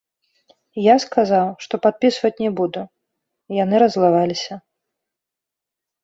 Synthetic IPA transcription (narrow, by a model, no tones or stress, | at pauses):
jaskazawʂt̪ɔpat̪̚pʲisvɐt͡sʲnʲɛbud̪u | jan̪ɨɾɐzlˠavalʲisʲɐ